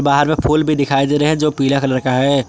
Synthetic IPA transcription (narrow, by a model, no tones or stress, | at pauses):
baːɦəɾmẽpʰuːlbʱid̪ɪkʰaːid̪eːɾeɦɛ̃d͡ʒoːpiːlakɐlɐɾkaɦɛː